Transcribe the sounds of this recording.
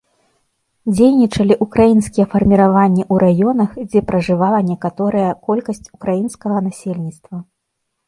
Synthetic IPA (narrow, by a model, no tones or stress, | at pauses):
d͡zʲejnʲit͡ʂɐlʲiʔukɾajinskʲijɛfɐrmʲiɾavanʲːɛʔuɾajɔnɐxd͡zʲɛpɾɐʐɨvalˠɐnʲɛkat̪ɔɾɐjɐkɔlʲkɐsʲt͡sʲukɾajinskɐɣɐnasʲelʲnʲit̪st̪vɐ